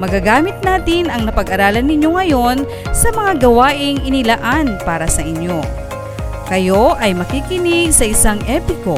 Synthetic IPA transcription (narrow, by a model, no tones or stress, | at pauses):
mɐɡaɡaːmɪt̪̚naːt̪ɪnɐŋnɐpɐɡʔɐɾaːlɐnːɪɲo̞ŋɐjo̞n | sɐmɐŋaɡɐwaːʔɪŋʔɪnɪlaʔanpaːɾɐsɐʔɪɲjo̞ | kɐjo̞ʔɐjmɐkiːkɪnɪɡsɐʔɪsaŋʔɛpɪko̞